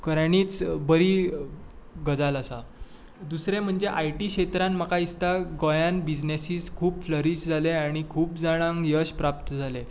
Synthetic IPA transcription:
kəɾaɽ̃iːt͡sbəɾiː | ɡəd͡zaləsa | d̪usɾẽm̤əɳd͡zeʔajʈikɕet̪ɾãnmakaist̪aɡɔjanbid͡ʑnesiːskʰuːbfləɾiːɕd͡zʱaleaɽ̃ikʰuːpd͡zaɽ̃ãŋɡjəɕpɾap̚t̪əd͡zʱale

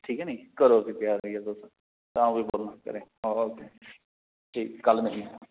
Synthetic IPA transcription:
ʈʰiːkɛːnĩːkəɾoːsipjaːɾiɛd̪oːsõ | t̪ãːũbiːboːlnaːkə̰ɾẽːoːoːkeː | ʈʰiːkkəlnəɦĩ

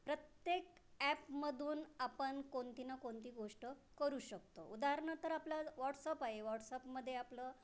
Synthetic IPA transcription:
pɾət̪jekæpməd̪ʱuːnapəɳkont̪inakont̪iːɡoʂʈəkəɾuːɕək̚t̪oʔud̪aɦɾɳat̪əɾaplaʋɔʈsapaɦeʋɔʈsapməd̪ʱːjeaplə

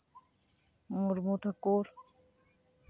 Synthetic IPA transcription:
muɾmut̪ʰakoɾ

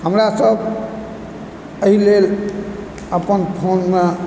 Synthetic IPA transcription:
həmɾasəb | əɦilel | əpənpʰonme

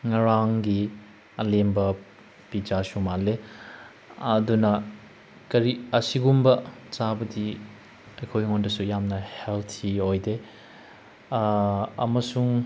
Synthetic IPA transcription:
ŋɐɾaŋɡi | ɐlembɐ | pid͡ʒasumale | ɐdunɐ | kɐɾiɐsiɡumbɐt͡ʃabɐdi | ɐjkʰojŋondɐsujamnɐheltʰiojde | ɐ̰mɐsuŋ

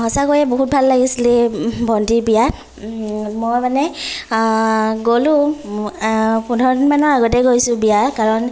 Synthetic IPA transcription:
hɔsakojɛboɦut̚bʱalːaɡisilibʱɔndibija | mojmanɛ | ɡolu | pundʱɔnmanɔɹaɡɔtɛɡojsʊbijakaɹɔn

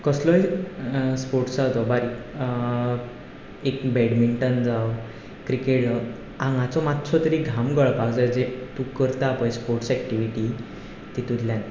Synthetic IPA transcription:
kəslɔi | spoɾʈsat̪ɔbaɾi | ekbɛɽmiɳʈənd͡zaw | kɾikeʈ | ãŋɡãt͡sɔmat̪sʰɔt̪əɾiɡʱamɡəɭpaɡd͡zajd͡zet̪ũkəɾt̪aːpəjspoɾʈsɛk̚ʈiʋiʈi | t̪it̪ud̪ljãn

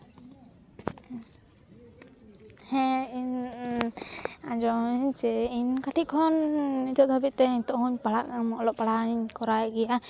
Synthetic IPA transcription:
hɛ̃in | ad͡ʒɔiɲt͡ʃɛiɲkaʈiʔkʰɔnːit̪ɔʔd̪ʱabit̪̚t̪ɛiɲt̪ɔʔhuɲpaɽaʔkamɔʔlɔʔpaɽaiɲkɔɾajɛɡɛja

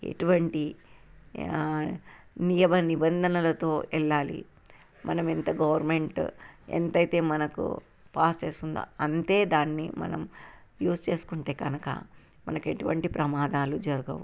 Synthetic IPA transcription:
e̞̰ʈuʋɐɳʈi | nijɐbɐnibɐnd̪ʱɐnɐlɐt̪o̞ːʔɛlːaːlḭ | mʔɐnɐment̪ɐɡɐʋɐɾme̞ɳʈḛnt̪ɐjt̪e̞ːmɐnɐkṵ | paːst͡ʃeːsund̪a̰ɐnt̪e̞ːd̪aːnːḭmɐ̰nɐ̰mjuːst͡ʃe̞ːsu̥kuɳʈe̞ːkɐnɐkɐ̰ | mɐ̰nɐke̞ʈuʋɐɳʈipɾɐmaːd̪aːlud͡ʒɐɾuɡɐʋṵ

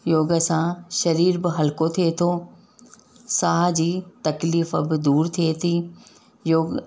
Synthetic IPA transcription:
joːɡəsãʃɐɾiːɾbɪɦɐlkot̪ʰiet̪ʰoː | saːɦd͡ʑiːt̪ɐkliːfəbɪd̪uːɾt̪ʰiet̪ʰiː | joːɡ

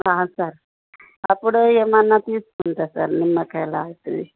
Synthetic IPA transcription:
aːsaɾ | ɐpːuɽuemɐnːat̪iːsu̥koɳʈ̪asa̰ɾnimːɐkɐjlaːɡut̪ːɐd̪i

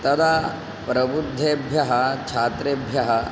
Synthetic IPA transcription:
t̪ɐd̪aː | pɾɐbud̪ʱːeːbʱjɐɦɐt͡ʃʰaːt̪ɾeːbʱjɐɦɐ

